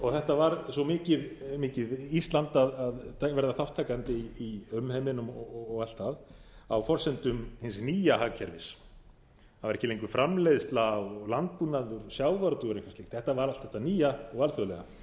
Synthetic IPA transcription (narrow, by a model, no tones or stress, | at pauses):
ɔɣθɛht̪avaɾsɔmɪːcɪðmɪːcɪðist̪lant̪aðaðavɛɾðaθawht̪ʰːajkant̪ɪiiœmhɛmɪnʏmɔːɣal̥t̪aðawfɔr̥sɛnt̪ʏmhɪnsniːjaɦaːcʰɛɾvɪs | aðvaɾɛhcɪleŋkvʏfɾʔamlɛðst̪lawlant̪̚punaðʏɾsjaːwvaɾt̪uɣʏɾɪŋkvasiht̪θɛht̪avaɾalt̪θɛht̪aniːjaɔɣalθœlɛɣa̰